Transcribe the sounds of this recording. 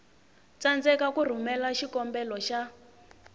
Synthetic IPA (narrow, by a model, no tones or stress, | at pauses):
t͡sand͡zɛkakur̤umɛlaʃikɔmbɛlɔʃa